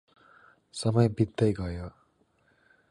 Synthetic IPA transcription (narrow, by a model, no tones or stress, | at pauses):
sʌmʌjbid̪ːʌjɡʌjo